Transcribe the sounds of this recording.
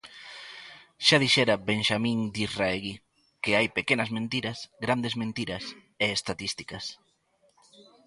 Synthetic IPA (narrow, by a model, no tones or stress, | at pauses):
ʃaðiʃɛɾabeŋʃamĩŋd̪iraeɣi | keajpekenɐzmẽnt̪iɾɐsɡɾand̪ezmẽnt̪iɾɐs | eːst̪aðist̪i̥kɐs